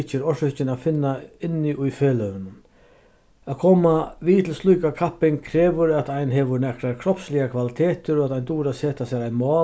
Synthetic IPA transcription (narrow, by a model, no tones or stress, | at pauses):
t͡ʃɪɾɔʂʏt͡ʃɪnafɪnːaɪnːɪʔʊjfɛːlœvɪnʊn | aðkʰɔːmaʋiːt̪ʰɪlslujkakʰapɪŋkʰɾɛːʋʏɾat̪ajnɦɛʋʊɾnɛkɾakʰɾɔpslɪɣakʰvalɪt̪ʰɛːt̪ɪɾɔat̪ajnt̪uːɾasɛːt̪asɛɾajmɑː